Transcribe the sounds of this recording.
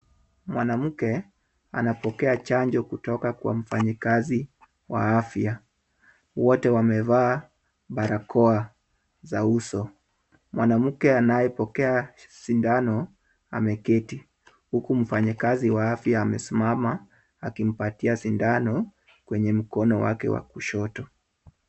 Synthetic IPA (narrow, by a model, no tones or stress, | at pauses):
mwanam̩kɛ | a̰napɔkɛat͡ʃaɲd͡ʒɔkutɔkakwa̰m̩faɲikazi | wa̰afja | wɔtɛwamɛvaː | ɓaɾakʰɔa | zausɔ | mwanam̩kɛanajɛpɔkɛasindanɔ | a̰mɛkɛti | hukum̩faɲakaziwaafjaːmɛsimama | akim̩patiasindanɔ | kwɛɲɛm̩kɔnɔwa̰kɛ̰wa̰kuʃɔtɔ